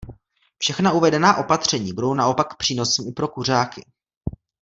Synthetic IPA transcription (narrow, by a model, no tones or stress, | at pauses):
fʃɛxnauvɛdɛnaːʔo̞pat̪r̝̥ɛɲiːbudo̞wnao̞pak̚ːpr̥iːno̞sɛmɪpɾo̞kur̝aːkɪ